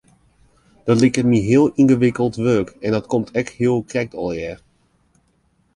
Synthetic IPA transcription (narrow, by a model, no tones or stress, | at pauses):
d̥ɑtlɪkəniɦɪːəlˠɪnɣəʋɪkəlˠtʋøːkɛndɑtkɔmtʰɛχtɦɪːəlˠkrɛk̚tɑlˠɪɹ